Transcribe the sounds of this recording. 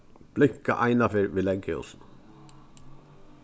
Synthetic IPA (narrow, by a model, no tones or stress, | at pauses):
b̥lɪkːa̰ʔajnafeːɹʋiːlɛŋkɪɔ̰sn